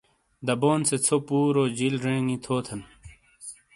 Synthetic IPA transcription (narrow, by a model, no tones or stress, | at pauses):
d̪ɐboːnset͡sʰopuːɾoːd͡ʑilɾẽːŋĩt̪ʰoːt̪ʰɐn